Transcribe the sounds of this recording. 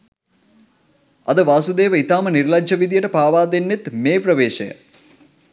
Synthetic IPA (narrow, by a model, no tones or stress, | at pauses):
ɐd̪ɨʋaːsud̪eːʋɐit̪aːmɐniɾlɐɐʋid̪ijɐʈɐpaːʋaːd̪enːit̪meːprɐʋeːʃɐjɐ̰